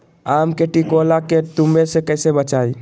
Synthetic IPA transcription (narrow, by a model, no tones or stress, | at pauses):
amkeʈikolaket̪umbesekəjsebət͡ʃai